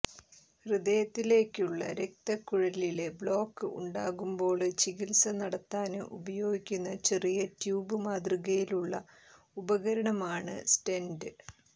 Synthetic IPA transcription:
hrɨd̪ejɐt̪ːile̞ːkːuɭːɐ̰ɾe̞k̚t̪ɐkːuɻɐlile̞bɭo̞ːkːɨʔṵɳɖaːɣumbo̞ːɭɨt͡ɕiɣilsɐnɐɽɐt̪ːaːnɨʔubɐjo̞ːɡikʲːunːɐt͡ɕe̞rijɐtjuːbɨmaːd̪riɣɐjiluɭːɐ | ubɐɣɐɾɐɳɐmaːɳɨ̰sʈendɨ

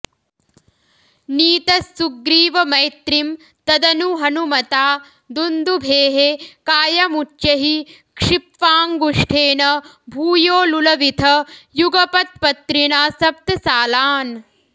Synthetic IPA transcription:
niːt̪ɐsːuɡɾiːʋɐmɐjt̪ɾim | t̪ɐd̪ɐnuɦɐnumɐt̪aː | d̪und̪ubʱeːɦekaːjɐmut͡ʃːʃɐɦi | kʂipʋaːŋɡuʂʈʰeːnɐ | bʱuːjoːlulɐʋit̪ʰɐjuɡɐpɐt̪̚pɐt̪ɾiɳaːsɐp̚t̪ɐsaːlaːn

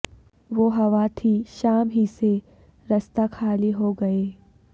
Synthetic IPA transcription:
ʋoːɦɐʋat̪ʰiʃaːmɦise | ɾɐst̪akʰaːliɦoɡɐeː

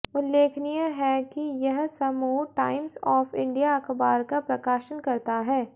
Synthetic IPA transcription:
ʊlːeːkʰnijaɦɛkijɐɦsɐmuːʈaːɪmsɔːfɪ̃ɳɖijaɐxbaːɾkapɾɐkaːʃənkɐɾt̪aɦɛː

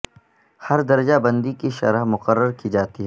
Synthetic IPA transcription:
hɐɾd̪ɐɾd͡ʒabɐ̃nd̪ikiʃɐ̰ɾəɦmʊqəɾːəɾkid͡ʒaːt̪iɦɛː

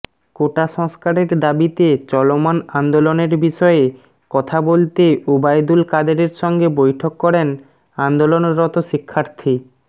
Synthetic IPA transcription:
koʈaʃɔŋskaɾeɾd̪abit̪et͡ɕɔlomanand̪oloneɾbiʃɔe | kɔt̪ʰabolt̪eobajd̪ulkad̪eɾeɾʃɔŋɡebojʈʰokːɔɾen | and̪olonɾɔt̪oʃikʰːaɾt̪ʰi

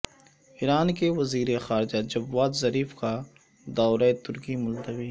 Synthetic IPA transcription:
iɾaːnkeʋɐziːɾexaːɾɪd͡ʒad͡ʒɐbːaːt̪zɐɾiːfka | d̪aːɾaet̪ʊɾkimʊlt̪əʋiː

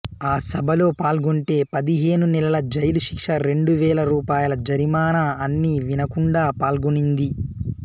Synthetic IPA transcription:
aːsɐbʱɐlo̞ːpaːlɡuɳʈe̞ːpɐd̪iɦe̞ːnunɛlɐlɐd͡ʒɐjluʃi̥kʂɐɾe̞ɳɖuʋɛːlɐɾuːpaːjɐlɐd͡ʒɐɾimaːnɐɐnːiːʋinɐkuɳɖaːpaːlɡunind̪i

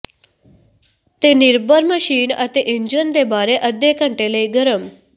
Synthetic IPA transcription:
t̪eniɾbəɾməɕiːnə̰t̪eʔiɲd͡ʑənd̪ebaɾeʔəd̪jekə̃ɳʈeleɡəɾəm

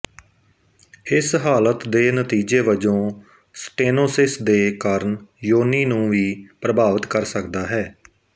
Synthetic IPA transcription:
ɪsɦaːlət̪d̪eːnət̪iːd͡ʒeːʋəd͡ʒõː | sʈeːnoːsɪsd̪eːkaːɾənjoːniːnũːʋiːpɾəbaːʋət̪kəɾsəkd̪aːɦɛː

